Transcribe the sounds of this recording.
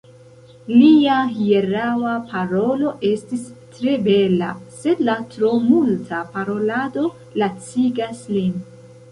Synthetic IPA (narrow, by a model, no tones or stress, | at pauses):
liahie̞ɾawapʰaɾo̞lo̞ʔe̞stistɾe̞be̞la̰se̞dlatɾo̞multʰapaɾo̞lado̞ | lat͡siɡaslin